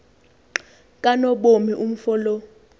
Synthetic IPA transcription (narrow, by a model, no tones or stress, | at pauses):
kʼanɔɓomiʔum̩fɔlɔ